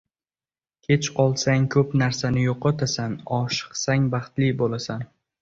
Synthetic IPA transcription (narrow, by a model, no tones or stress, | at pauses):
kʲʰe̞t͡ʃqʰɒlˠsaŋkʰɵpnaɾsanɪjoqɒt̪ʰasanɒʃɨ̥qsaŋbɑχt̪lɪbolasan